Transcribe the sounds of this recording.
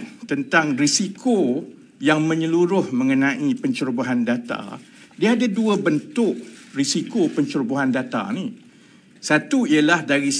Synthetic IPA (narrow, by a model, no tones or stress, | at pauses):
nt̪ənt̪aŋrisikʰo | jaŋmə̃ɲə̃luɾʊhmə̃ŋənãʔipəɲt͡ʃuɾbaɦandat̪a̰ | diaadaduəbənt̪ʊʔrisikopəɲt͡ʃuɾboɦandat̪a̰ni | sat̪uiəlahdaɾis